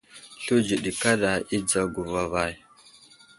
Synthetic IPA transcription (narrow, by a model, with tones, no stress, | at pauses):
ɬu˦d͡ʒi˨ɗi˨ka˦ɗa˨i˦d͡za˦ɡu˨va˨va˦˨j